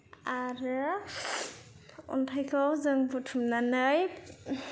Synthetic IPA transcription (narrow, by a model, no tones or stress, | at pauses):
aɾɯ | ɔ̰ntʰajkʰawzɯŋbutʰumnanɯj